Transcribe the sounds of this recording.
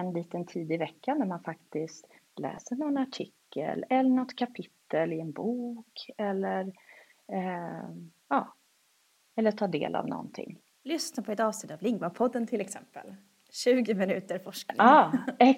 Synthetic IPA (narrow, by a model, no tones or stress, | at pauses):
ɛnliːt̪ənt̪ʰiːd̪ɪvɛkːanæɾmanfakt̪ɪst̪ | lɛ̰ːsəɳɔnaʈʰɪkːə̰lɛlːəɳɔt̪ːkʰapʰɪt̪ʰːəlɪɛnbuːkɛlːəɾ | ɑː | ɛlːəʈʰɑːɖḛːlʔa̰vnɔ̰nt̪ʰɪ̰ŋː | lʏsnapʰɔɛt̪ɑːvsnɪt̪t̪ːavlɪŋvapʰɔd̪ːənt̪ʰɪlɛksɛmpə̰l | ɕʉ̟ːɡɪmɪnʉ̟ːt̪əɾfɔʂkanɑːɛ